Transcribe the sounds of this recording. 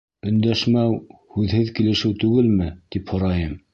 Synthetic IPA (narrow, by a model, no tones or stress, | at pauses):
ɵ̆nd̪æʃmæwhʉðhɘðkilɘ̆ʃɘwt̪ʉɡɘlmɘt̪iphŏɾɑjɤm